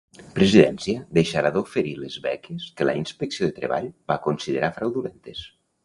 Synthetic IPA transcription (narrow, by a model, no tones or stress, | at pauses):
pɾeziðɛnsiəðejʃaɾaðofeɾilezβɛ̰keskələ̰inspeksioðət̪ɾḛβa̰ʎbakonsiðeɾʔafɾawðulent̪es